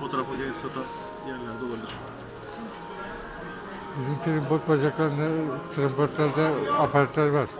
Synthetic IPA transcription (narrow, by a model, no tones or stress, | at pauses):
fo̞t̪oɾafɯɡesat̪ʰa | jænlʲæɾd̪ɛolˠaɾd̪ɯɾʃa | bizimt̪ʰɯɾimpoɾt̪̚bad͡ʒaklˠaɾnat̪ʰɾampoɾt̪lʲˠaɾd̪ɛapʰaɾat̪lʲæɾvaɾ̥